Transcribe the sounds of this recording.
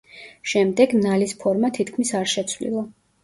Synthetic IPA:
ʃɛmd̪ɛɡnalispʰɔɾmat̪ʰit̪ʰkʰmisaɾʃɛt̪sʰvlḭlˠa

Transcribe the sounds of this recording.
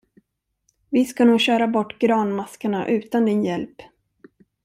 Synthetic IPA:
vɪskanuːɡɕœːɾabɔʈːɡɾɑːnmaskəɳa̰ʔʉ̟ːt̪and̪ɪnjɛlp

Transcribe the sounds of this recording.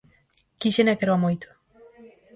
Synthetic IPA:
kiʃenekeɾoamojt̪u̥

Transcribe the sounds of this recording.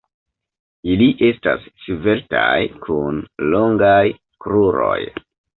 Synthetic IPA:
iliʔe̞sta̰ssive̞ɾtajkʰunloŋɡaj | kɾuɾo̞̰j

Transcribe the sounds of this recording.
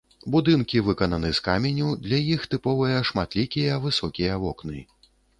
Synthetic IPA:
bud̪ɨnkʲivɨkɐnɐnɨskamʲɛnʲud̪lʲɐjixt̪ɨpɔvɨjɐʂmat̪lʲikʲijɐvɨsɔkʲijɐvɔknɨ̰

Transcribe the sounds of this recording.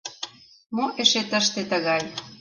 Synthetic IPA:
moʔeʃet̪əʃt̪et̪əɣɑj

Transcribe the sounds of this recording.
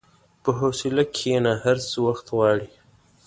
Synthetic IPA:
pəɦosɪlakʰenahaɾsəwaxt̪ɣɑːɽi

